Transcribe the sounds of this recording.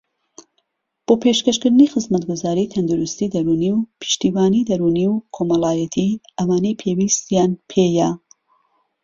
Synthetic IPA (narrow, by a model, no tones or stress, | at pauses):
b̥opʰeʃkɐʃkɨɾd̪ɨnixɨzmɐt̪ɡuzaːɾit̪ʰɐnd̪uɾust̪id̪ɐɾuniwpʰɨ̥ʃt̪iːwaːnid̪ɐɾuniwkʰomɐlaːjɐt̪ʰiʔɐwaːnejpʰewist̪jaːnpʰeːjɐ